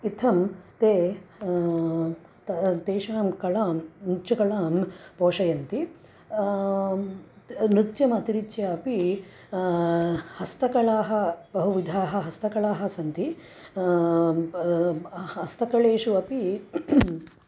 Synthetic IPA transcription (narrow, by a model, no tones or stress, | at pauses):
it̪ʰɐmt̪eː | t̪eːʃaːmkɐɭaːmnutːt͡ʃɐkɐɭaːmpoːʂɐjɐnt̪i | nɾit̪t͡ʃjɐmɐt̪iɾitjɐɐpi | hɐst̪ɐkɐɭaːɦɐ̆bɐɦuʋid̪ʱaːɦɐ̆ɦɐst̪ɐkɐɭaːɦɐ̆sɐnt̪i | ɐst̪ɐkɐɭeːʂuɐpi